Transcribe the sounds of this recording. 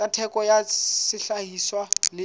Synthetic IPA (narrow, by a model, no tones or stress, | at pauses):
atʰɛkɔjasɪɬahiswalɪ